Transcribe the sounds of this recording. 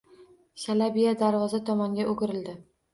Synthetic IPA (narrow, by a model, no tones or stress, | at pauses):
salabijad̪aɾvɒzat̪ʰɒmɒŋɡʲaʔoɡʲɪɾɪld̪ɪ